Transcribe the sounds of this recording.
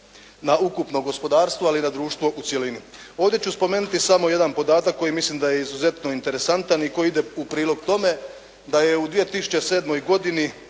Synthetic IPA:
naukupno̞ɡo̞spo̞d̪aːɾst̪ʋoalinad̪ɾuːʃt̪ʋo̞ʔut̪sʲje̞lini | o̞ːʋd̪ʲje̞t͡ɕuspo̞me̞ːnut̪isamo̞je̞d̪anpo̞d̪aːt̪akːo̞jimislimd̪aje̞izuze̞t̪no̞int̪e̞ɾe̞sant̪aniko̞jiid̪e̞upɾiːlˠo̞ɡt̪o̞me̞ | d̪ajeud̪ʋije̞t̪isu̥t͡ɕe̞se̞ːd̪mo̞jɡo̞d̪ini

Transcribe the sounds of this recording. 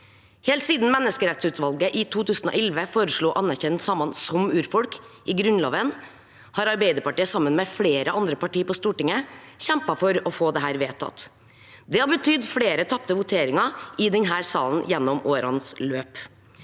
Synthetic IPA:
heːlt̪siːd̪n̩mɛnːəskəɾɛt̪sʉːt̪ʋɑlɡəʔɪt̪ʰuːt̪ʰʉːsn̩o̰ːʔɛlʋəfoːɾəʂɭuːʔɑnːæɾçɛnt̪sɑmɑnsɔmʉːɾfɔlkɪɡɾʉnlɑːʋən | hɑːɾɑɾbeɪd̪əɾpɑʈiːəsɑmːənmɛfleːɾəʔɑnd̪ɾəpɑʈiːpɔst̪uːʈɪŋəçɛmpɑfɔɾɔfoːd̪ɛɦæːɾʋeːt̪ʰɑ̰t̪ | d̪ɛhɑɾbət̪ʰʏd̪fɽeːɾət̪ʰɑp̚t̪əʋʊt̪ʰeːɾɪŋɑɪd̪ɛnɦæːɾsɑːln̩jɛnːɔmoːɾɑ̰nsløːp

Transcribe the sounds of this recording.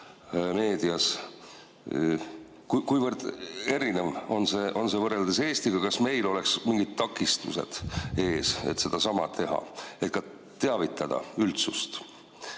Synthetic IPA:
me̞ːd̪̥iɑs | kukujvərd̪̥e̞ɾinevo̞nse̞ːʔo̞nse̞vɤreld̪ese̞ːst̪iɡ̥ɑkɑsme̞jlo̞le̞ksmiŋɡ̥id̪̥̚t̪ɑkːˑist̪ṵse̞̰d̪̥e̞ːsḛt̪se̞d̪̥ɑsɑmɑt̪ʰe̞ɦɑ̰e̞t̪̚kɑ | t̪eɑvit̪ːˑɑd̪̥ɑ̰ylt̪sust̪

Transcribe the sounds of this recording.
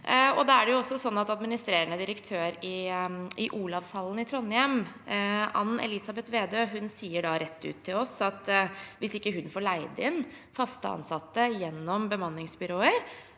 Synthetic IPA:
ɔd̪ɑæɖɛjʊɔsːɔsɔnːɑt̪ɑd̪mɪnɪst̪ɾeːɾəɳəd̪ɪɾəkt̪ʰøːɾɪɪʔuːlɑʋshɑlːən̩ɪt̪ʰɾɔnːjɛm | ɑ̰nːɛ̰lɪsɑbɛt̪ʋeːd̪øːɦʉnsiːəɖɑɾɛt̪ːʉ̰ːt̪ʰːɪlɔsɑt̪ʋɪsɪkːəɦʉnfoːɭæɪd̪əɪn | fɑst̪əɑ̰nsɑt̪ːəjɛnːɔmbəmɑnːɪŋsbʏɾoːəɾ

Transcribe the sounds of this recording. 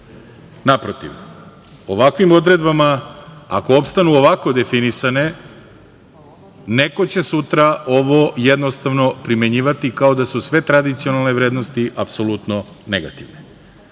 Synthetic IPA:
napɾot̪ḭʋ | o̞ʋakʋimo̞d̪ɾe̞d̪bamaa̰ko̞opst̪anuoʋako̞d̪e̞finisane̞ | ne̞ko̞t͡ɕe̞sut̪ɾao̞ʋojed̪nost̪aʋno̞pɾime̞ɲiːʋat̪ikao̞d̪asusʋe̞t̪ɾad̪it̪sio̞nalˠneʋɾeːd̪no̞st̪iʔapso̞lut̪no̞ | neɡa̰t̪iʋne

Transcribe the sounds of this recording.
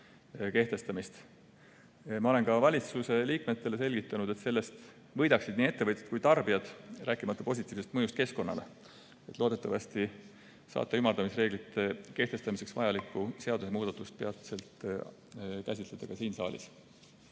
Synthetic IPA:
ke̞ht̪e̞st̪ɑmist̪ | mɑo̞le̞nkɑvɑlʲit̪suse̞liːkme̞t̪ːe̞le̞se̞lʲɡit̪ːˑɑnud̪̥e̞t̪se̞lːe̞st̪ | vɤ̞jd̪ɑksid̪̥niːe̞t̪ːe̞vɤt̪ʲːˑe̥t̪̚kujt̪ɑrb̥ijɑd̪̥ræːkːˑimɑt̪ːˑupo̞s̬ʲit̪ːˑiːvsest̪mɤjust̪̚ke̞sko̞nːɑ̰le | e̞t̪lo̞ːd̪e̞t̪ːˑɑvɑst̪i | sɑ̰ːt̪ːˑɑymːɑrd̪̥ɑmisre̞ːɡlit̪ːˑe̞ke̞ht̪e̞st̪ɑmise̞ksvɑjɑlikːˑuse̞ɑd̪usemuːd̪ɑt̪ːˑust̪̚peɑt̪se̞lt̪ | kæsʲit̪le̞d̪̥ɑkɑsiːnsɑ̰ːlʲḭs

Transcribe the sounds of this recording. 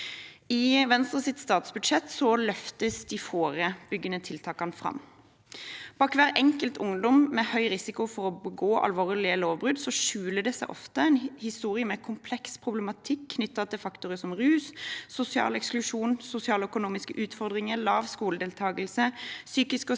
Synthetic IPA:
ɪʋɛnst̪ʁəsɪt̪st̪ɑːt̪sbʉd̪ʃɛt̪ːsɔlœft̪əsd̪ɪfoːɾəb̥ʏɡːənət̪ʰɪlt̪ʰɑːkɑnfʁɑ̰m | b̥ɑːkʋæːʁʔɛŋkəlt̪ʰʊŋd̪ɔmmɛhœʏʁɪsɪkʊfɔʁɔbəɡoːʔɑ̰lʋoːʁlɪəloːʋbʁʉd̪sɔʃʉːləd̪ɛsæɪʔɔ̰ft̪əɛɪnhɪst̪uːʁɪəmɛkʰʊmpʰlɛkspʰʁʊblɛmɑt̪ʰɪkʰːnʏt̪ːɑt̪ʰɪlfɑkt̪ʊʁəsɔmʁʉːssʊsɪɑ̰ːlɛksklʉʂuːnsʊsɪɑːləœkʊnuːmɪskəʔʉːt̪fɔʁd̪ʁɪŋəlɑːʋskuːləd̪eːlt̪ʰɑːɡəlsəsyːkɪskɔ

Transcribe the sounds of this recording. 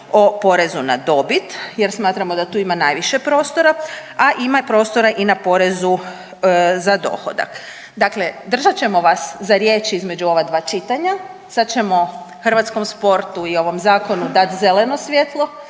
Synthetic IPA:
o̞po̞ɾe̞zunad̪o̞bit̪je̞ɾsmaːt̪ɾamo̞d̪at̪uːimanaːjʋiʃe̞pɾo̞ːst̪o̞ɾaaʔimapɾo̞ːst̪oɾaʔinapo̞ɾe̞zu | zad̪o̞̰xo̞̰d̪a̰k | d̪akle̞d̪r̩ʒat͡ɕe̞mo̞ʋaszaɾje̞t͡ʃizme̞d͡ʒuo̞ʋad̪ʋaːt͡ʃit̪aɲa | sad̪t͡ʃe̞mo̞ | xr̩ʋat̪sko̞mspo̞ɾt̪uio̞ʋo̞mzaːko̞nud̪at̪ze̞le̞no̞sʋjet̪lˠo̞

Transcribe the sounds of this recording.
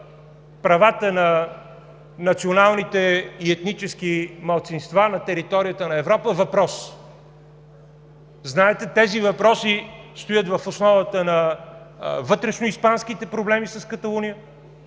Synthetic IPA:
pɾɐvat̪ənɐ | nɐt̪sionalˠnit̪ɛiɛt̪nit͡ʃɛskimɐlˠt̪sinst̪vanɐt̪ɛɾit̪ɔɾijət̪ənɐɛvɾɔpəvɐpɾɔs | znaɛt̪ɛt̪ɛzivɐpɾɔsist̪ojət̪vɐfosnɔvət̪ənɐ | vɤt̪ɾɛʃnoispanskit̪ɛpɾoblɛmisɐskət̪ɐlˠunijə

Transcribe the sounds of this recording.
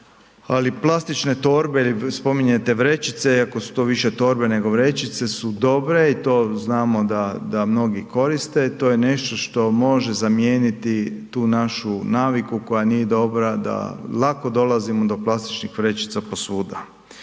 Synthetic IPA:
aliplˠast̪it͡ʃne̞t̪o̞ːɾbeilispo̞miɲet̪e̞ʋɾe̞t͡ʃit̪se̞iakosu̥t̪o̞ːʋiʃe̞t̪o̞ːɾbene̞ɡo̞ʋɾe̞t͡ʃit̪se̞sud̪o̞bɾe̞it̪o̞ːznaːmo̞d̪ad̪amno̞ɡiko̞ɾist̪e̞t̪o̞jene̞ʃt̪o̞ʃt̪o̞mo̞ʒe̞zamjeːnit̪it̪uːnaʃunaːʋikuko̞janije̞d̪o̞bɾad̪a̰lˠako̞d̪o̞lazimod̪o̞plˠast̪i̥t͡ʃnixʋɾe̞t͡ʃi̥t̪sapo̞suːd̪a

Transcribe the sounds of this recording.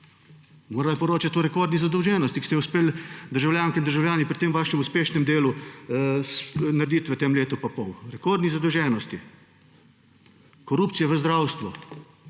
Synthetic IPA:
moːɾalapɔɾoːt͡ʃat̪ɔɾɛkoːɾd̪nizad̪ɔwʒɛːnɔst̪ikst̪ɛɛuspeːld̪əɾʒawljaːŋkɛind̪əɾʒawljaːnipɾit̪eːmʋaːʃɛmuspeːʃnɛmd̪eːlu | snaɾed̪it̪ʋət̪emleːt̪upapɔwɾɛkoɾd̪nizad̪ɔwʒɛːnɔst̪i | kɔɾuːpt̪sijɛʋəzd̪ɾaːwst̪ʋɔ

